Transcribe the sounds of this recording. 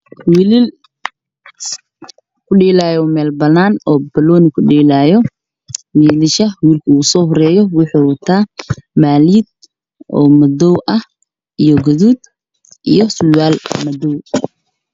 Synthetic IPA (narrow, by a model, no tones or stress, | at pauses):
wɪlɪl | kʰʊɖɛːlaːjɔmɛːlbɐnaːnɔːbɐlɔːnɪkʰʊɖɛːlaːjɔ | wiːlɪʃɐwiːlkʰɐuːsɔːɦɔɾɛːjɔwɪħuːwɐt̪ʰaːmaːliːd̪̚ | ɔːmɐdɔwʔɐh | ijɔɡɔðuːd̪ | ʔijɔsʊwaːlmɐd̪ɔw